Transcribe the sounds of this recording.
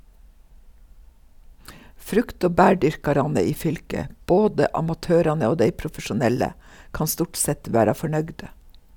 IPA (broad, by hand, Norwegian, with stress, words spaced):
ˈfɾʉkt ˈoː ˈbæːˌɖʏɾkɑɾɑnə ˈiː ˈfʏlkə ˈboːdə ˈɑmɑtøːɾɑnə ˈoː ˈdeɪ pɾʊfəʃʊˈnɛlə ˈkɑn ˈstʊʈ ˈsɛt ˈʋæːɾɑ fɔˈɳœɡdə